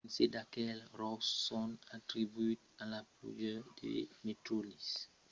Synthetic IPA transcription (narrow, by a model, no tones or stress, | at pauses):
nsedakɛlrɔsːɔnatɾibuit̪alaplṵd͡ʒədḛmetɾolis